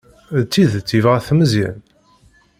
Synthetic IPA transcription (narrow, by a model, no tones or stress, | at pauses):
ðt͡sːiðt͡sːivʁaθməzjæ̰n